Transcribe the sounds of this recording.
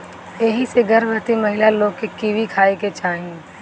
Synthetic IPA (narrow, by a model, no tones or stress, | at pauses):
eɦĩseɡəɾbət̪iməɦɪlaloːɡkːekiʋikʰaːeket͡ʃʰaːɦĩ